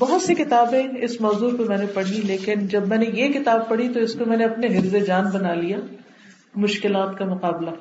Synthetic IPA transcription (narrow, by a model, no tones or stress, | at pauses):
bɔɦʊt̪sekɪt̪aːbẽɪsmɔːzuːɾpemɛ̃ːnepɐɽ̤ileːkɪnd͡ʒɐbmɛ̃ːnejekɪt̪aːb̚pɐɽ̤it̪oɪskomɛ̃ːneɐpneɦɪɾzed͡ʒaːnbɐnaːlijaː | mʊʃkɪlaːt̪kamʊqaːbla